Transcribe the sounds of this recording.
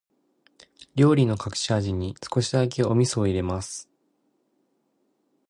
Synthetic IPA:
ɾʲo̞ːɾʲino̞kakɯ̟̥ɕiaʑiɲ̟isɨ̥ko̞ɕidakeo̞mʲisoiɾe̞masɨ̥

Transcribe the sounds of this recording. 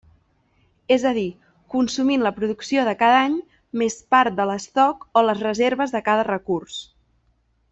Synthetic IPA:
ezəði | kunsuminləpɾuðuksioðəkaðaɲ | mespaɾt̪̚d̪ələst̪ɔkoləzrəzeɾβəzðəkaðərəkurs

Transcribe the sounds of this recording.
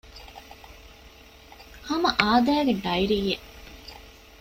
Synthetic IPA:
hɐmɐʔaːd̪æːɡeɖɐjɾijːe

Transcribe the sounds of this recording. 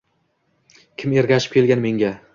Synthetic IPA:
kʲʰɪme̞ɾɡʲaʃɪ̥p̚kʲʰe̞lɡʲanme̞ŋɡʲa

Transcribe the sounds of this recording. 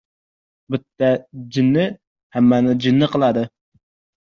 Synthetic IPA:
bɪt̪ːɛd͡ʒinːɪ | hæmːɛnɪd͡ʒɪnːɨqʰəlˠɑd̪ɨ

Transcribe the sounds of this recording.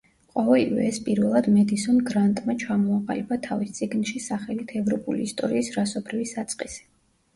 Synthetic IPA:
qʼɔvɛlivɛ̰ːspʼiɾvɛlˠad̪mɛd̪isɔnɡɾant̪ʼmat͡ʃʰamɔaqʼa̰libat̪ʰavist̪sʼiɡnʃisaχɛlit̪ʰɛvɾɔpʼṵlḭːst̪ʼɔɾiːsɾasɔbɾivisat̪sʼqʼisɛ̥

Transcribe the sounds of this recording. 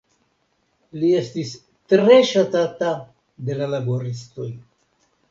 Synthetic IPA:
lie̞stis | tɾe̞ʃatata | de̞lalabo̞ɾisto̞j

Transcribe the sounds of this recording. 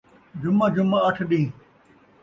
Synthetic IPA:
d͡ʑʊmad͡ʑʊmaɐʈʰɗĩː

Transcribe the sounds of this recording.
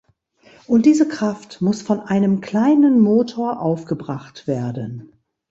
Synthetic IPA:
ʔʊnt̚d̥iːzəkʁ̥aftmʊsfɔnʔaɪnəmkl̥aɪnənmoːtʰoːɐʔaʊfɡ̥əbʁaχtv̥eːɐdən

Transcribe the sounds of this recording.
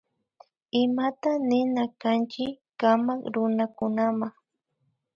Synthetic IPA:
ɪmat̪anɪnakant͡ʃɪ | kamakɾʊnakʊnamaŋ

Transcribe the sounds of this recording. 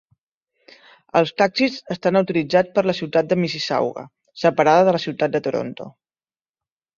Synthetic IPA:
əlˠst̪aksizəst̪anəwt̪ulid͡zat͡spəɾləsiwt̪at̪̚d̪əmisisa̰wɣə̰ | səpəɾaðəðələsiwt̪ad̪̚d̪ət̪oɾo̰nt̪o̰

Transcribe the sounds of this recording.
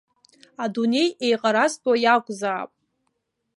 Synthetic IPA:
adune̞jejqʼaɾastʼwajakʷʼzaːpʼ

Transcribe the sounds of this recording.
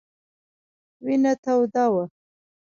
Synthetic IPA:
winat̪awd̪ɑwa

